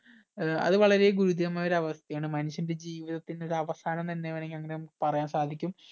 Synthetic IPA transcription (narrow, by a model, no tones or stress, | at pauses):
ɐ̰ðɨʋɐɭɐɾe̞ɡuɾud̪ijɐmaːjoɾɐʋɐst̪ʰɐjaːɳɨmɐnuɕjɐnnded͡ʑiːʋiðɐt̪ːino̞ɾɐʋɐst̪ʰaːɳɐnt̪ɐnːeʋɐneŋːɡiɐŋːɐnejmpɐrɐjaːnsaːd̪ʱikʲːum